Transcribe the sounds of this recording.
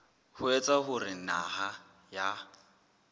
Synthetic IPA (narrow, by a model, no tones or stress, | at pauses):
hʊet͡sʼaɦʊrɪna̰ɦa | ja